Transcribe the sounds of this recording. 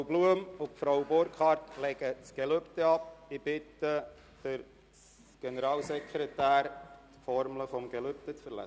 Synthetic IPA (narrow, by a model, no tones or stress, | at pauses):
bluəmʊfɾawbɔɾkχɑɾtlɛɡət͡sɡ̥eløptəɑp̚ɪb̥ɪt̪ə | d̥əɾ | s | ɡ̥ɛnəɾɑːlsɛkɾetæːɾt̪fɔɾmləfɔmɡ̥ɛlʏp̚t̪ət͡sfəɾlɛ̰